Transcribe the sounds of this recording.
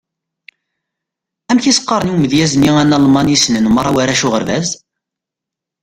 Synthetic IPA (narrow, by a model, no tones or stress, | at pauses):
æmθisə̥qːəɾˤənwməðjæzniænɑlmɑnisnənmɾˤawæɾæʃuʁəɾvæz